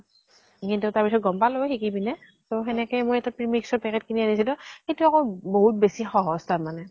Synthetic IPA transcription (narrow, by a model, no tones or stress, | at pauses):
kintutaɹpisɔt̚ɡɔmpalojxikibinɛ | toxɛnɛkɛjmojɛtapɹimiksɔɹpɛkɛt̚kʰinianisilʊ̃xetuakoboɦut̚besixɔɦɔstamanɛ